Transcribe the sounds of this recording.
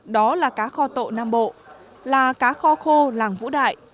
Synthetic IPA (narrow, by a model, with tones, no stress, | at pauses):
ɗɔ˨˦laː˨˩kaː˨˦xɔ˧t̪o̰˧˨naː˧mɓo̰˧˨ | laː˨˩kaː˨˦xɔ˧xo˧laː˨˩ŋvṵ˧˥ɗa̰ː˧˨jʔ